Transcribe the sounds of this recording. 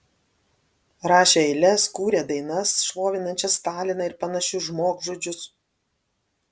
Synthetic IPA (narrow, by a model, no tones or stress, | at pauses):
ɾɑːʃʲeɛɪlʲɛskuːɾʲeːd̪ɐɪnɐsʃlˠoːʋʲɪnɐnʲt͡ʃʲɛst̪ɑːlʲɪnɐɪɾpɐnɐʃʲʊʒmoːkʒoːd͡ʒʲʊs